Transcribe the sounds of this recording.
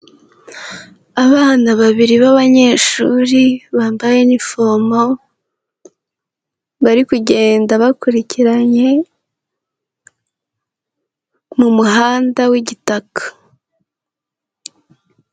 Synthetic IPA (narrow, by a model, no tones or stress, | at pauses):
aβaːnaβaβiɾiβaβaɲe̞ːʃṵːɾiβaːmbaje̞nifo̞mo̞ | βaɾikuɟe̞ːndaβakuɾiciɾaɲe̞ | mumuɦaːndawiɟitakḁ